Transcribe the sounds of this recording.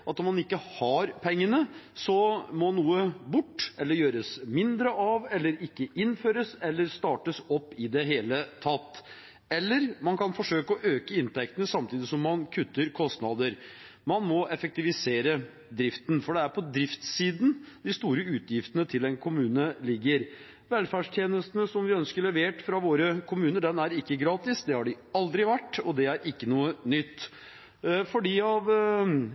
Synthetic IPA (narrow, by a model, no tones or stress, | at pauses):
ɑt̪ɔmːɑnɪkːəhɑɾpʰɛŋːənəsɔmɔnuːəbʊʈːʔɛlːəɾjøːɾəsmɪnd̪ɾəʔɑʋɛlːəɾɪkːəʔɪnføːɾəsɛlːəɾst̪ɑːʈəsɔpːɪd̪ɛɦeːlət̪ʰɑt̪ː | ɛlːəɾmɑnkʰɑnfɔʂøːkəɔʔøːkəɪnt̪ɛk̚t̪ənəsɑmt̪ʰiːd̪ɪsɔmːɑnkʰʉt̪ːəɾkʰɔst̪nɑd̪əɾ | mɑnmɔɛfɛk̚t̪ɪʋɪseːɾə | d̪ɾɪft̪n̩fɔɖɛæɾpʰɔd̪ɾɪft̪siːd̪n̩d̪ɪst̪uːɾəʉːt̪jɪft̪ənət̪ʰɪlɛnkʰʊmʉːnəlɪɡːəɾ | ʋɛlfæːɖʂt̪ʰjeːnəst̪ənəsɔmʋɪœnskəɭɛʋeːʈfɾɑʋoːɾəkʰʊmʉːnəɖ̪ɛnæɾɪkːəɡɾɑːt̪ɪsd̪ɛhɑɖɪ | ɑld̪ɾɪʋæʈːɔd̪ɛæɾʔɪkːənuːənʏt̪ː | fɔɖiːɑʋ